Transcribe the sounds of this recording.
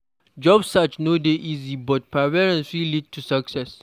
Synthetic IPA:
d͡ʒɔbsat͡ʃnodeʔizibɔt̚pʰavɛɹɛ̃nsilid̚tʰusɐksɛs

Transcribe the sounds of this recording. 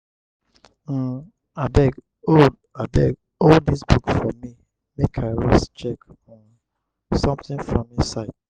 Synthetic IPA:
adɛɡ | od | adɛɡ | oldisbukfɔmi | mekʰaɪɹɔ̰st͡ʃɛkɔ̃n | sɔ̃mtɪ̃ŋfɹɔ̃misaɪd̥̚

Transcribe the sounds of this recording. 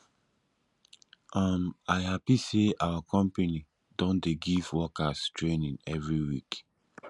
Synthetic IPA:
ʔamaɪhapiseʔawakʰɔ̃mpeni | dɔ̃ndeɡivwɔkastɹẽnĩnɛvɹiwik

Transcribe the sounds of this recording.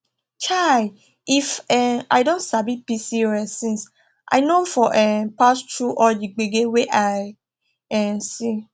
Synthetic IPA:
t͡ʃa | ifɛa̰jdõntsabipisiɹɛsĩns | ʔa̰jnofɔʔɛpastɹuʔɔd͡ʒiɡ͡beɡeweʔaj | ɛ̃si

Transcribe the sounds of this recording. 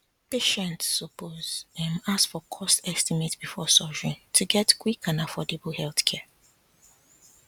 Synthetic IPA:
peʃɛ̃ntsopozɛ̃masfɔkʰɔstɛstimetb̥ifɔsɔd͡ʒɹĩntʰuɡɛtkwikãnafɔdebl̩hɛlθkʰɛ

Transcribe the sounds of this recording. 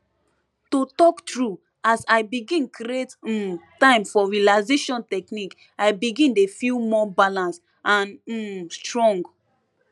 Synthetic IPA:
totɔktɹu | asajbiɡĩnkiet̩tãɪ̃mfɔɹialaɪzeʃɔ̃ntɛknik | ajbiɡĩndefilmɔbalãns | ʔãn̩stɹɔ̃ŋɡ

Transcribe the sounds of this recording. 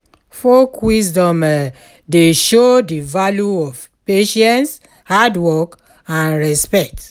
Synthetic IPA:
fɔkwisdɔ̃mɛ | deʃodivaljuɔv | peʃɛ̃nts | hadwɔk | ãnɹɛspɛk̚t

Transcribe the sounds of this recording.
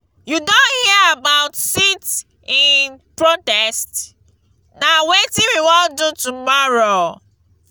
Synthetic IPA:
judõnhiəabaʊtsit | ĩnpɹotɛst | nawetĩwiwɔldutumɔɹo

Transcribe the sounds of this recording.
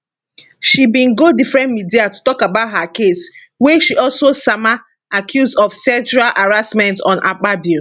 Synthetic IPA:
ʃibĩnɡodifɹɛ̃ntmidiatu̥tɔkabaʊtɦakes | wɛʃiʔɔlsosama | akʰjuzɔfsɛ̃nt͡ʃuɹalʔaɹasmɛ̃ntɔ̃nʔa̰k͡pabi

